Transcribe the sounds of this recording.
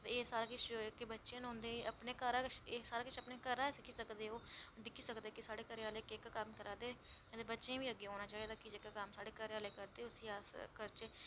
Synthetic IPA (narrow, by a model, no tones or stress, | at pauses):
t̪eeːsaːɾaːkɪt͡ʃkebətːʃẽːnõnd̪eːʔəpneːkəɾaːt͡ʃesaːɾaːkɪt͡ʃʰəpneːkəɾaːsɪkʰiːsəkd̪eːoːd̪ɪkʰiːsəkd̪eːkɪsaːɽeːkəɾaːleːkekkəmkəɾaːd̪eːət̪eːbətːʃẽːʋiːəɡːeːɦoːnaːt͡ʃaːeːd̪aːkɪd͡ʒekkəmsaːɽeːkəɾeːaːleːkəɾd̪eːʊsiaːkəɾt͡ʃeː